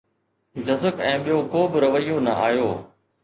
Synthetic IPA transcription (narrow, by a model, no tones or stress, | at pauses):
d͡ʑɐzəkɛ̃ːɓijoːkoːbɪɾɐʋəijoːnɐ̰ʔaːjoː